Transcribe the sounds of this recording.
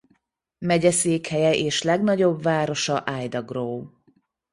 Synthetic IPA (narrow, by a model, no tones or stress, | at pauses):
mɛɟɛseːkhɛjɛʔeːʃlɛɡnɒɟo̞bvaːɾo̞ʃɒʔaːjd̪ɒɡroː